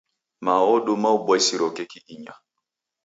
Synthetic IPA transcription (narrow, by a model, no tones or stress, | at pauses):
maɔɗomaubaisiɾɔkɛkiʔiɲa